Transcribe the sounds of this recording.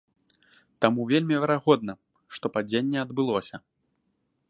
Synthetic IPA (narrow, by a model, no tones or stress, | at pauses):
t̪amuvʲelʲmʲivʲɛɾaɣɔd̪nɐ | ʂt̪ɔpad͡zʲenʲːɛɐd̪bɨlˠɔsʲɐ